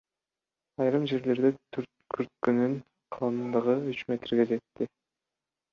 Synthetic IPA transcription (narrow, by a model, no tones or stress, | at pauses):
ɑjɾɯmd͡ʒe̞ɾle̞ɾd̪et̪ʰyɾt̪kʰyɾt̪̚kynyn | qʰɑlˠɯnd̪ɯʁɯyt͡ʃmʲe̞t̪ɾɡʲe̞d͡ʒe̞t̪ːi